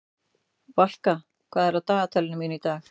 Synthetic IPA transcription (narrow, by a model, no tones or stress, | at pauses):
val̥ka | kʰv̥aːðɛɾat̪aːɣat̪ʰɛlɪnʏmjʏnit̪aːx